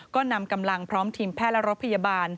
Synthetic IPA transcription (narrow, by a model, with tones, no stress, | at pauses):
kɔː˥˩na˧mka˧mla˧ŋpʰɾɔː˦˥mt̪ʰiː˧mpʰɛː˥˩lɛ˦˥ɾo˦˥t̪̚pʰa˧ja˧baː˧n